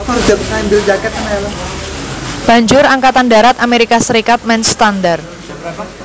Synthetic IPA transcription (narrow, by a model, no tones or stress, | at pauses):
pɔrd͡ʒap̚ŋaimbɪld͡ʒakɛt̪anaala | b̥a̤ɲd͡ʒʊɾaŋkat̪anda̤ɾat̪ameɾikasəɾikat̪̚mɛnst̪andar̚